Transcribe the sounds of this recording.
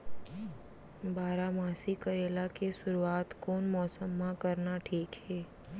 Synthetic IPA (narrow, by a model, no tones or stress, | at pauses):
baːɾamaːsikəɾeːlakesʊɾuaːt̪koːnmɔːsəmːãkɐɾnaʈʰiːkɦɛː